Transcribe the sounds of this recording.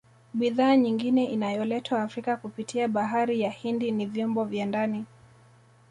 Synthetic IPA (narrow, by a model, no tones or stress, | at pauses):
ɓiðaːɲiŋɡinɛʔinajɔlɛtʰwaːfɾikakupitʰiaɓaɦaɾijahindinivjɔmbɔvjandani